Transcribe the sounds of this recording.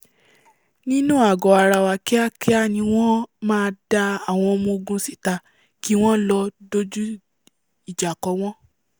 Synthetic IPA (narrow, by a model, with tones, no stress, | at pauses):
nĩ˦nũ˦a˨ɡɔ˨a˨ɾa˧wa˧kɛ˦a˦kɛ˦a˦˨nĩ˧w̃ɔ̃˦mãː˦˧da˧a˨w̃ɔ̃˧o˧mũ˧o˧ɡũ˧si˦˨ta˧ | ki˦w̃ɔ̃˦lɔ˧do˦d͡ʒu˦ | i˦˨d͡ʒa˨kɔ˨˦w̃ɔ̃˦